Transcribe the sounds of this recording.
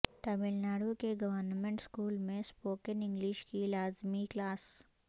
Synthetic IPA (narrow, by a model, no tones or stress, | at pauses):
ʈɐbɪlnaːɽukeɡɐʋəɾnmẽɳʈskuːlmẽspoːkənɪ̃ŋɡlɪʃkilaːzmiklaːs